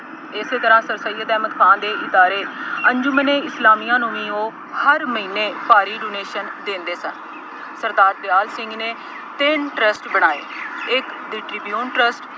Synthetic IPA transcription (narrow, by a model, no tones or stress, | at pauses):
ɪseːt̪əɾãːsəɾsəiːət̪ɛːmət̪kʰãːnd̪eːʔɪd̪aːɾeːəɲd͡ʒʊməneːɪslaːmiːãːnũːʋĩːoː | həɾməɦiːneːpaːɾiːɖoːneːʃənd̪ẽːnd̪eːsən | səɾd̪aːɾd̪ɪjaːlsɪ̃ŋɡneː | t̪ɪnʈɾəsʈbəɽ̃aːḛːɪkɖɪʈɾibjuːnʈɾəsʈ